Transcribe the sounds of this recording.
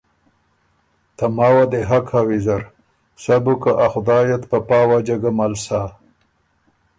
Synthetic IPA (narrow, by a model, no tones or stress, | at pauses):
t̪amaːwad̪eɦakhawizaɾ | sabukaʔaxʊd̪ɑːjat̪papɑːwad͡ʒaɡamalsa